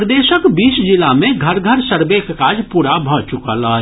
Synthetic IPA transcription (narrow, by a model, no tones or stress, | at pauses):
ɾd̪eːʃəkbiːʃd͡ʒɪlamẽɡʱɐɾɡʱəɾsəɾbeːkkaːd͡ʒpuːɾabʱɔːt͡ʃʊkalaː